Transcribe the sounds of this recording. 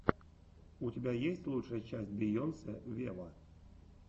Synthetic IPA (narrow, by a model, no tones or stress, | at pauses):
utʲɪbʲajesʲtʲlˠutʂəjət͡ɕæsʲt̚ʲbʲɪjonsʲəvʲelə